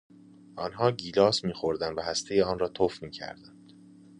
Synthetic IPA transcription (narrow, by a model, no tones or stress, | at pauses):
ʔɒːnɦɒːɟiːlɒːsmiːxoɾd̪ænd̪væhæst̪ʰe̞jeɒːnɾɒːt̪ʰofmiːcʰæ̰ɾd̪ænd̪̥